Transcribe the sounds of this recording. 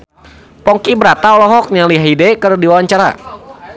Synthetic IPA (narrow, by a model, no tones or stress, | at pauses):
pɔŋkibəɾat̪aɔlɔɦɔk̚ɲaliɦaɦidɛkərdiwawaɲt͡ʃaɾa̰